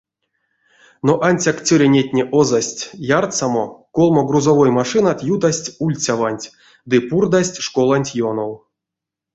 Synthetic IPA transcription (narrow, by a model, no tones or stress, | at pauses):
noʔanʲsʲakt͡sʲɵɾʲenʲetʲnʲeʔozasʲtʲjart̪samokolˠmoɡruzovojmaʂɨnat̪jud̪asʲtʲulʲt͡sʲavanʲtʲ | d̪ɨpurd̪asʲtʲʂkolˠanʲtʲjonow